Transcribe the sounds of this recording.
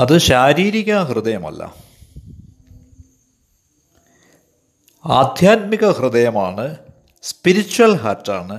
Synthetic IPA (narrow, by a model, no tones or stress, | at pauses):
ɐðɨɕaːɾiːɾiɣɐhrɨd̪ɐjɐmɐ̰lːɐ̰ | aːd̪ʱjaːt̪̚miɣɐhrɨðɐjɐmaːɳɨ | spiɾit͡ɕːuɐlɦaːrtːa̰ːɳɨ